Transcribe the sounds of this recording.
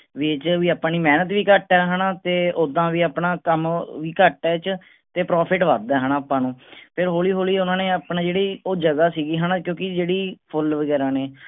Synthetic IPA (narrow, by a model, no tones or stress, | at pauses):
ʋiːt͡ʃʋiːaːpãːniːmɛːnət̪ʋiːkəʈɛːɦənaːt̪eːʊd̪ãːʋiːaːpɳaːkəmʋiːkəʈɛːt͡ʃ | t̪eːpɾɔːpʰɪʈʋaːd̪ɛːɦənãːaːpãːnũːpʰɪɾɦoːliːɦoːliːʊnãːneːaːpnaːd͡ʒeːɽiːoːd͡ʒəɡaːsiːɡiːɦənãːkjõːkɪd͡ʒeːɽiːpʰʊlʋəɡɛːɾaːneː